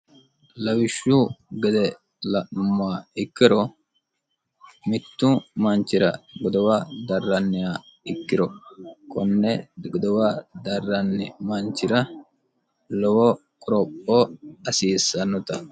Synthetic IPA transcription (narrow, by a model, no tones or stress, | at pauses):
lɐwɪʃːuɡɛd̪ɛ | lɐʔnʊmːaːɪkːɪɾɔ | mɪt̪ːumɐnt͡ʃːɪɾɐ̰ɡɔd̪ɔwad̪ɐrːɐnːɪjaː | ɪkːɪɾɔkɔnːɛɡɔd̪ɔwaːd̪ɐrːɐnːɪmɐnt͡ʃːɪɾɐ | lɔwɔ | kʼʊɾɔpʼːoɐsiːsːɐnːʊt̪ɐ